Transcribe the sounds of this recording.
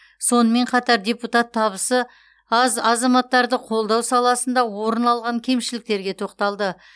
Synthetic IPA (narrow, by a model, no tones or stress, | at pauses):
so̞nəme̞ɴqʰɑt̪ɑɾd̪ʲe̞put̪ɑt̪ʰːɑβəsə | ɑzɑzɑmɑt̪ːɑɾd̪əqʰo̞lˠd̪ɑwsɑlˠɑsənd̪ɑwo̞ɾənɑlˠʁɑŋkʲʰe̞mʃɪlɪk̚t̪e̞ɾɡʲe̞t̪ʰo̞qt̪ɑlˠd̪ə